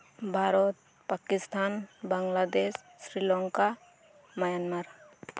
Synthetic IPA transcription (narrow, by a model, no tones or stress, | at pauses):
bʱaɾɔt̪̚ | pakist̪ʰanbaŋlad̪esːɾilɔŋka | majanmaɾ